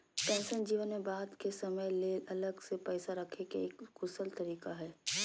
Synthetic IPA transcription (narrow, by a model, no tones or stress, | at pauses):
ʈɛ̃ːnsənd͡ʒiːʋənmẽbaːd̪kesɐməjleʔɐləɡsepɛːsaɾɐkʰekeeːkɡʊsəlt̪ɐɾiːkaɦɛː